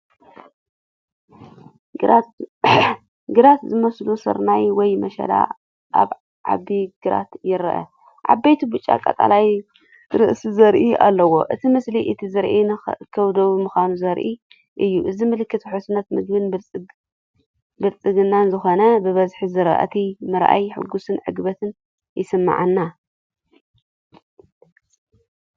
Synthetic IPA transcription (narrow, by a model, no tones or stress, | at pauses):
ɡɨɾat̪zɨmɐslusɨ̰ɾnajwɔjmɐʃɐ̰la̰ | ʔa̰β | ʕa̰biɡ̥ɨɾa̰t̪jɪɾʔɐ̰ | ʕa̰bːejt̪ʰibut͡ʃʼːa̰kʼat̪ʼa̰laj | ɾɨ̰ʔsizɐɾʔia̰lːɐwo̞̰ʔɨt̪ʰimɨsliʔɨt̪ʰizɨɾʔikʰɐβd̪oβmɨxanuzɐɾʔi | ʔɨjːuʔɨzimɨlɨkːɨt̪ʰħusunɐt̪mɨɡ̚bɨnbʼ | bɨlt͡sʼɨɡɨnːanzɨxo̞nɐbɨβɐzħizɨɾɐ̰ʔɐ̰t̪ʰimɨɾʔa̰jħɨ̰ɡusɨnʕɨ̰ɡbɐt̪ʰɨn | jɪsɨmːa̰ʕanːa